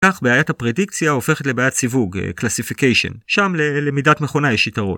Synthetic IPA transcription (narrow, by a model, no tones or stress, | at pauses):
kaχbeajathapʁedikt͡sjaofe̞χet̪lebeajat̪sivuɡḛklasifikejʃo̞̰nʃamlelemidatmeχo̞najeʃitaʁo̰